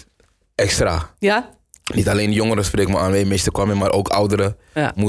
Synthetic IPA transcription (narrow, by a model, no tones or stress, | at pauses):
ɛkstɾa̰ | nitalejndjoŋəɾəsprekəmaaːnʋemestəkʋaməmaːɾʔoːkʰa̰wdəɾə | mu